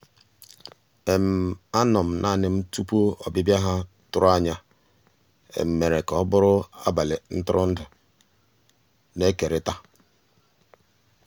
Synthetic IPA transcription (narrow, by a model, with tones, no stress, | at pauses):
e˨m̩˨a˦nʊ˨m̩˨nʔa˦˨nɪ˨m̩˦tu˦pu˦ɔ̰˨bɪ˦bja˦ɦa˦ | tʊ˦ɾʊ˦a˦ɲa˦ | ḛ˨m̩˨me˨ɾe˨kɔ˨˦bʊ˦ɾʊ˦a̰˦ba˨lɪ˨n̩˦tʊ˦ɾʊ˦n̩˦dʊ˨ | ne˦ke˨ɾɪ˨ta˦